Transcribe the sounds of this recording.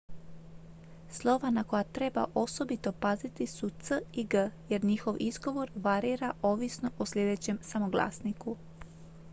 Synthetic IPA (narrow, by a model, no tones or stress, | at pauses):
slˠo̞ʋanako̞jat̪ɾe̞ba̰ʔo̞so̞bit̪o̞pazit̪isut̪səiɡəje̞ɾɲixo̞ʋizɡo̞ʋo̞ɾʋaɾiːɾao̞ʋisno̞ʔoslʲʎʲe̞d̪et͡ɕemsamo̞ɡlˠa̰ːsniku